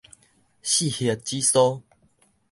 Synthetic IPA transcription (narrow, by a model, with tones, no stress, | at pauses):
ɕi˥˨hi˨t̚t͡ɕi˦sɔ˦